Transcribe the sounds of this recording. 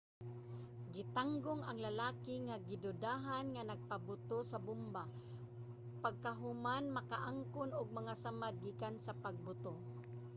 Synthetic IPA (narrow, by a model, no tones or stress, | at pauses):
ɡɪt̪aŋɡʊŋaŋlalaːkɪŋaɡɪd̪ʊd̪aːɦanŋanaɡ̚pabʊt̪osabʊmba | paɡ̚kaɦʊmanmakaʔaŋkʊnʊɡ̚maŋasamad̪̚ɡiːkansapaɡ̚bʊt̪o